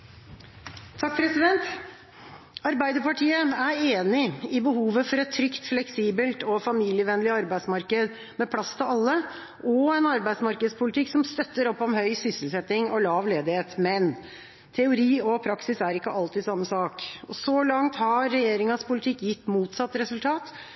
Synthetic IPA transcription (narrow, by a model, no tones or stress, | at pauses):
t̪ʰɑkːpʰɾɛsɪd̪ɛnt̪ | ɑɾbæɪd̪əɾpʰɑʈʰiːəæɾeːnɪɪbəhuːʋəfɔɾɛt̪ʰːɾʏkt̪flɛksiːbəlt̪ɔfɑmiːlɪəʋɛnəlɪɑɾbæɪd̪smɑɾkəd̪ | mɛpʰlɑst̪ʰɪlɑlːə | ʔɔɛnɑɾbæɪd̪smɑɾkəd̪spʰʊlɪt̪ʰɪksɔmst̪œt̪ːəɾɔpːɔmhœʏsʏsəlsɛt̪ːɪŋɔlɑːʋleːd̪ɪheːt̪mɛn | t̪ʰɛʊɾiːɔpʰɾɑksɪsæɾɪkːəʔɑlt̪ɪːd̪sɑmːəsɑːkɔsɔlɑŋt̪hɑɾːɛjeːɾɪŋɑspʊlɪt̪ʰɪkːjɪt̪ːmuːt̪sɑt̪ːɾɛsʉlt̪ʰɑːt̪